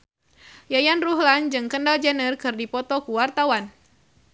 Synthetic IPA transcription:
jajanruɦland͡ʒɨŋkəndald͡ʒanərkɨrdipɔt̪ɔkuwart̪awan

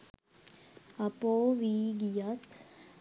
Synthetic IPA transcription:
ɐpoːʋiːɡijat̪

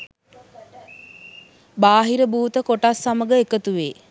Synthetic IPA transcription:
baːɦiɾəbuːt̪əkoʈasːaməɡəekət̪uʋeː

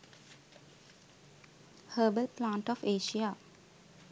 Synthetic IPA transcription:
həːbəlplãːɳʈɔfeːʃija

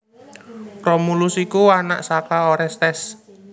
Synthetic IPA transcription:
rɔmulʊsikuana̰ʔsakaoɾɛst̪ɛs

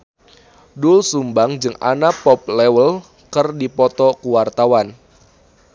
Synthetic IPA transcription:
dʊlsumbaŋd͡ʒɨŋa̰napɔp̚lɛwəl | kɨrdipɔt̪ɔkuwart̪awan

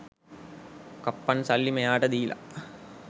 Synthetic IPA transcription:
kɐpːɐnsɐlːimɐjaːʈɐd̪iːlɐ̰

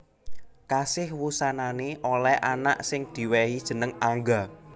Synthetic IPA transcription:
kasɪhwusananeʔolɛʔana̰ʔsɪŋd̪̥i̤wɛhid̥ʒ̥ə̤nəŋaŋɡa

